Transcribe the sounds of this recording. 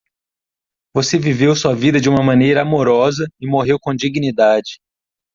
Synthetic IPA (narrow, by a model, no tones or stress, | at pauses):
vosevivewsuɐvid̪ɐd͡ʒɪũmɐmɐ̃nejɾɐamoɾɔzɐɪmoɦewkõd͡ʒiɡinid̪ad͡ʒɪ